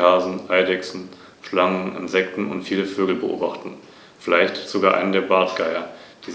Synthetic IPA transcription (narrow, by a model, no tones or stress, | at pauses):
aːzn̩ʔaɪdɛksn̩ | ʃlaŋənɪ̰nzɛk̚tn̩ʊ̰ntfiːləføːɡl̩bəʔo̰ːbaχtn̩ | fɪlaɪçtɪ̥sz̥oɡaːɐʔa̰ɪnəndeːɐbaɐtɡ̥aɪɐd̥iː